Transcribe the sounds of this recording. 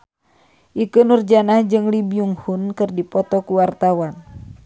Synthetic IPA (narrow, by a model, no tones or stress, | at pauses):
ʔikənurd͡ʒanahd͡ʒɨŋlibiuŋhunkɨrdipɔt̪ɔkuwart̪awan